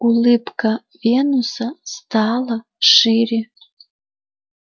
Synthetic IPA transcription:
ulɨpkʰa | venusast̪ʰala | ʂiri

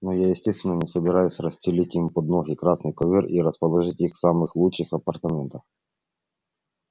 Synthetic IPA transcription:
nojajɪsʲtʲest̪vʲɪnːənʲɪsəbʲɪɾajʊsʲrəsʲtʲɪlʲitʲimpod̪noɣʲɪkɾasnɨjkɔvʲiriɾəspɐlˠɐʐɨtʲixsamɨxlˠut͡ʃt͡ʂːɨxɐpɐrt̪ɐmʲent̪əf

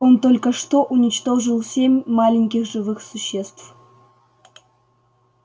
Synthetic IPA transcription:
ont̪olʲkəʂt̪oʔunʲɪt͡ɕt̪oʐɨlˠsʲemʲmɑlʲɪnʲkʲixʐɨvɨxsuɕːest̪f

